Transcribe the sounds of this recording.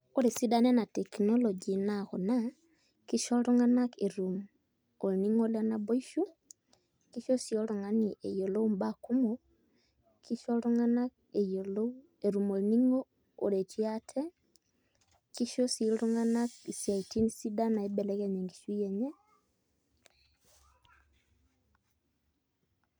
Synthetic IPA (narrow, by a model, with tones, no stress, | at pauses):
o˦ɾe˨si˦danɛ˦na˨tɛ˨knɔ˦lɔd͡ʒi˨naɣɔ˨na˦ | ki˦ʃɔ˦ɾo˦ŋa˦na˦keɾu˨m | o˨ɾniŋo˦la˦na˨bo˦iʃu˦ | ki˦ʃo˦si˨ɔɾɔ˨ŋa˦ni˨ʔḛ˨jɔ˨lo˦u˦mbaku˦mo | kʰi˦ʃɔ˦ɾo˦ŋana˦k | ejolo | e˨ɾu˨mo˨lniŋoː˦˨ | ɾe˨tʰi˦atʰɛ˦ | ki˦ʃo˦siɾo˦ŋanaksja˨iti˦nsi˦da˦na˨e˦bɛ˨lɛ˦ɣɛɲe˨ŋɡi˨ʃwi˦jɛ˨ɲɛ˦